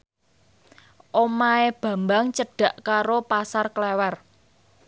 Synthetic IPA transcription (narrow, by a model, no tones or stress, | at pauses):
ʔomaeb̥ä̤mbaŋt͡ʃəɖ̥ä̤ʔkaɾopasarklɛwɛr